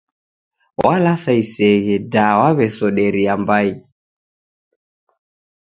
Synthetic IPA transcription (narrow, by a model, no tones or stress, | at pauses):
wʔalasaisɛɣɛdawaβɛsɔɗɛɾiambai